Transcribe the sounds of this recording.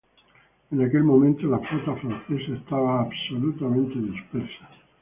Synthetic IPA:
enake̞lmo̞mẽnt̪olafot̪afɾãnθesaest̪aβaːbsolut̪amẽnt̪eðispeɾsḁ

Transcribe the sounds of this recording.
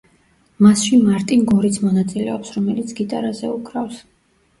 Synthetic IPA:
masʃimaɾt̪ʼinɡɔɾit̪sʰmɔnat̪sʼilɛɔpsɾɔmɛlit̪sʰɡit̪ʼaɾazɛ̰ukʰɾafs

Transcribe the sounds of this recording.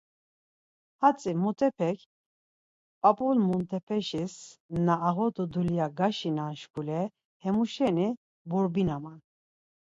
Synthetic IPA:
hat͡sʼimut̪ʰʼɛpʰɛkʰ | pʼapʼulmunt̪ʰʼɛpʰɛʃisnaːɣɔt̪ʼɔd̪ulijaɡaʃinanʃkulɛ | hɛmuʃɛni | buɾbinaman

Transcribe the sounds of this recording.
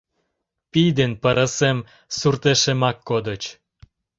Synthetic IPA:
pijd̪enpəɾəsem | surt̪eʃemɑkːod̪ət͡ɕ

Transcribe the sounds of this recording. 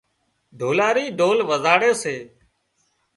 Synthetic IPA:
ɖʱoːlaːɾiːɖoːlʋəzaːɽeːseː

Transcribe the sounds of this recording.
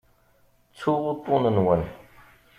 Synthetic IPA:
t͡sʰoʁot̪onənwan

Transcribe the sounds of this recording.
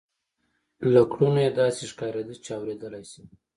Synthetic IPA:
lakɽunojed̪ɑseʃkɑɾed̪ət͡ʃeawɾed̪əlajsi̥

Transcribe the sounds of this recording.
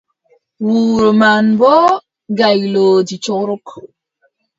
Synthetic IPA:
wuɾomanbɔ | ɡajlod͡ʒit͡ʃɔɾʊk

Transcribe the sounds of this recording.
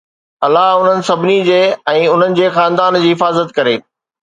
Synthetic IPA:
ɐlaɦʊn̤ənɪ̆sɐbʱɪnid͡ʑeːɛ̃ːʊn̤ənɪ̆d͡ʑeːxãːnd̪aːnd͡ʑiːɦɪfaːzət̪kɐɾeː

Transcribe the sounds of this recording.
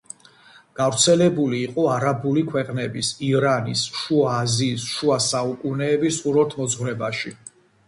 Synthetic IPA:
ɡ̥avɾt̪sʰɛlɛbuliːqʼɔaɾabulikʰwɛqʼnɛbisiɾanisʃuaːziːsʃuasaukʼunɛːbisuɾɔɾt̪ʰmɔzʁwɾɛbaʃi

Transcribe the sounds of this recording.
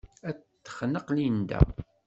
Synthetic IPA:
æt̪ːə̥χnəqlind̪æ̰

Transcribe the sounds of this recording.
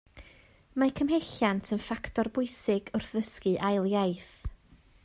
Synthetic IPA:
makʰəmɦeɬantʰənfaktʰɔrbʊɨsɪɡʊrθðəskɨʔajlˠjajθ

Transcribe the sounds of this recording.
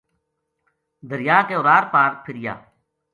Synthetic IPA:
d̪əɾɪjaːkeʊɾaːɾpaːɾpʰɪɾɪja̰ː

